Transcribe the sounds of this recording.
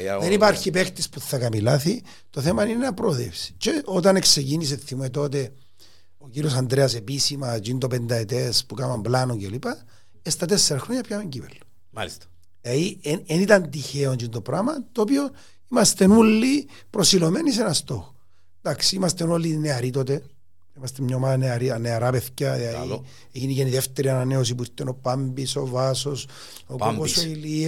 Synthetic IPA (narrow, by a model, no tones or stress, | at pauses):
ðenipaɾçipext̪ispuθːɐkɐmilaθi | t̪o̞θemɐninenɐpɾoðḛfsi̥t͡ʃeʔot̪ɐne̞kse̞cinis̬eθimuet̪o̞t̪e̞ | ociɾiosɐnd̪ɾeɐse̞pisimɐt͡ʃind̪o̞pend̪ɐet̪espukamɐmblanocelipɐ | est̪ɐt̪esːeɾɐxɾoɲɐpçameɲɟivḛlːo̥ | eieenit̪ɐnt̪içeond͡ʒint̪o̞pɾamɐt̪oːpio̞ | imɐst̪e̞nulːi | pɾo̞silo̞menis̬enɐst̪o̞x | nd̪aksiimɐst̪enolːineɐɾit̪o̞t̪e | imɐst̪emɲaomaðɐneɐɾineɐɾapeθcɐiai | eciniceniðeft̪eɾiɐnɐneos̬ipuit̪ːeno̞pambisovaso̞s | okuosoili